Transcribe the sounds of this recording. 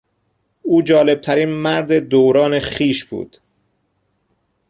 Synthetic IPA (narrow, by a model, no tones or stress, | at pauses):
ʔuːd͡ʒɒːle̞b̥̚t̪ʰæɾiːnmæɾd̪e̞d̪oːwɾɒːne̞χiːʃbṵːd̪̥